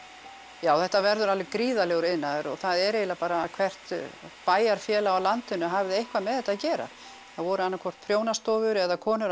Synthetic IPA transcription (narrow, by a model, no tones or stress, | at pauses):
jaːwθɛht̪ːavɛɾðʏɾalvɪkɾiːðalɛɣʏɾɪnːaðɾɔθaðɛɾejlapaːɾakʰvɛr̥t̪paːjaɾ̥fjɛːlaawlant̪ʏnːʏɦavðɪejhkvamɛðθɛht̪aðcɛːɾa̰ | θaðvɔɾʏanːakʰɔr̥t̪̚pʰɾjoːwnast̪ɔːvʏɾɛðakʰɔːnʏɾ